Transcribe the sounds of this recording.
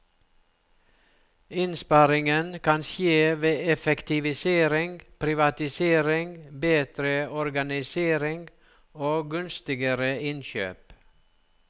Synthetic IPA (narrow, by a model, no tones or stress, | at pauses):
ɪnspɑɾɪŋənkʰɑnsjeːʋeːɛfɛkt̪ɪʋɪseːɾɪŋɡpʰɾɪʋɑt̪ɪseːɾɪŋbeːd̪̥ɾəɔɾɡɑnɪseːɾɪŋɡ | oːɡʉnst̪ɪɡəɾəɪnçø̰ːp